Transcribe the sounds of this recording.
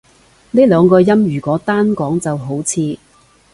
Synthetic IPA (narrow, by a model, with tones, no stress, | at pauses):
neː˥lœː˨˧ŋkɔː˧jɐ˥mjyː˨˩kɔː˨˥t̪aː˥nkɔː˨˥ŋt͡sɐ˨wɦo˨˥wt͡sʰiː˧